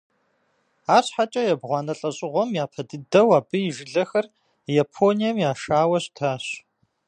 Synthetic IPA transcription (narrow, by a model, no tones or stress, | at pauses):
aːɕħat͡ʃʼɐjɛbʁʷɑːnɐɬʼɐɕʼɪʁʷɔmjaːpʰɐdɨdɐwaːbɨjɪʒɪɮɐxɐr | japʰoːnijɐmjaːʂaːwɐɕtʰaːɕ